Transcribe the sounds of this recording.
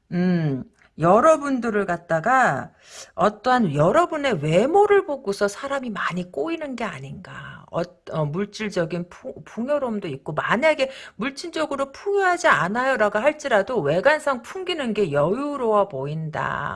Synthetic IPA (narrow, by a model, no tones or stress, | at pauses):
ɯ | jʌɾʌbundɯɾɯɭkat̚t͈aɡa | ʌt͈ʌɦanjʌɾʌbune̞we̞moɾɯɭboɡosʰʌsʰaɾamimaɲik͈oinɯnɡe̞aɲinɡa̰ʌ̰tʌmuɭt͡ɕ͈iɭd͡ʑʌɡinpʰpʰuŋjʌɾomdoik̚k͈omaɲaɡe̞muɭt͡ɕ͈ind͡ʑʌɡɯɾopʰuŋjoɦad͡ʑia̰najʌɾaɡoɦaɭt͡ɕ͈iɾadowe̞ɡansʰaŋpʰuŋɡinɯnɡe̞jʌjuɾowaboinda̰